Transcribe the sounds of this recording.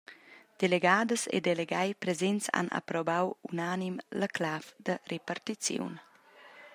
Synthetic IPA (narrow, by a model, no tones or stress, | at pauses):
d̪̥eleɡaːd̪əsḛd̪eleɡajpɾezɛnt͡sa̰na̰pɾɔbawunanimləklafd̪ərʔepart̪it͡sjo̰wn